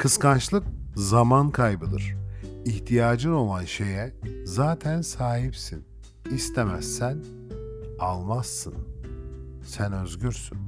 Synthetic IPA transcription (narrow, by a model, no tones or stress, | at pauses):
kʰɯskant͡ʃlˠɯk̚ | zamankʰajbɯd̪ɯ̰ɾ̥içt̪ʰijaːd͡ʒɯno̞lˠanʃe̞jɛzaːt̪ʰænsaːɦipsin | ist̪ʰemæ̰sːæn | alˠmasːɯn | sænø̞zɟyɾsyn